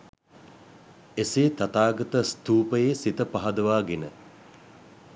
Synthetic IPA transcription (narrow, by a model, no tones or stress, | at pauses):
eseːt̪at̪aːɡɐt̪əst̪uːpəjeːsit̪əpaɦɐd̪əʋaːɡenə